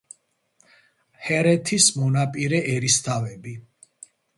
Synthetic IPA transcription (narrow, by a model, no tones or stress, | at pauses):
hɛɾɛt̪ʰismɔnapʼiɾɛʔɛɾist̪ʰavɛbi